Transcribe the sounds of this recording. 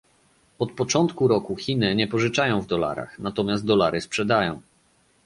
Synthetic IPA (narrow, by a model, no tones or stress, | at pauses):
ɔt̪̚pɔt͡ʂɔnt̪kuɾɔkuxʲinɘɲɛpɔʐɘt͡ʂajɔ̃w̃vd̪ɔla̰ɾa̰xnat̪ɔmʲjaszt̪d̪ɔlaɾɘspʂɛd̪ajɔ̃w̃